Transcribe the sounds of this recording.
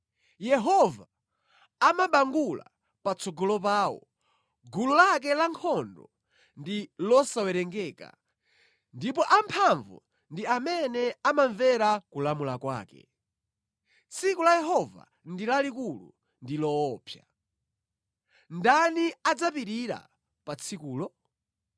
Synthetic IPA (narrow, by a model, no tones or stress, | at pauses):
jɛɦɔvaː | maɓaŋɡula̰ | pat͡sʰɔɡɔlɔp̬aːwɔ̰ | ɡululak̬ɛlaŋkʰɔndɔ | ndilɔsawɛɾɛŋɡɛːka̰ | ndipɔʔampʰaɱvṵ | ndiamɛnɛamaɱvɛɾakulamulakwa̰ːkɛ̰ | t͡sʰikulajɛɦɔva̰ | ndilalikulṵ | ndilɔːpʰja | ndaniad͡zapiɾiɾa̰ | pat͡sʰikuːlɔ